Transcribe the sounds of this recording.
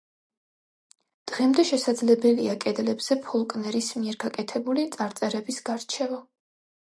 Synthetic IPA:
d̪̥ʁɛmd̪ɛʃɛsad̪zlɛbɛliakʼɛd̪lɛbz̥ɛpʰɔlˠkʼnɛɾismiɛɾɡakʼɛt̪ʰɛbulit̪sʼaɾt̪sʼɛɾɛbisɡaɾt͡ʃʰɛva

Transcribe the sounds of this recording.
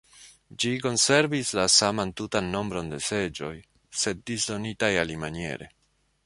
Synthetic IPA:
d͡ʒiko̞nse̞ɾvislasamantutanːo̞mbɾo̞nde̞se̞d͡ʒo̞j | se̞d̚ːisdo̞nitajalimanie̞̰ɾe̞̰

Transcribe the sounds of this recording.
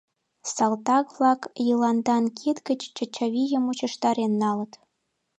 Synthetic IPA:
sɑlt̪ɑkvlɑkjɤlɑnd̪ɑnkʰit̪kət͡ɕt͡ɕə̆t͡ɕɑβʲijəmut͡ɕə̆ʃt̪ɑɾenːɑlə̆t̪

